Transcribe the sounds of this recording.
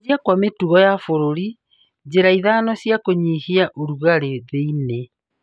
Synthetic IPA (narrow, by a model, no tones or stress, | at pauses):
iakwametuɣɔjafoɾoɾi | d͡ʑeɾaiðaːnɔsjakoɲihiaʔoɾuɣaɾeðeine